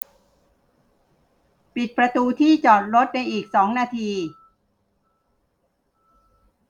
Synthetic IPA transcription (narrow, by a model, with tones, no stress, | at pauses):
pi˨˩t̪̚pɾa˧t̪uː˧t̪ʰiː˥˩t͡ɕɔː˨˩t̪̚ɾo˦˥t̪̚na˧jʔiː˨˩k̚sɔː˩˦ŋnaː˧t̪ʰiː˧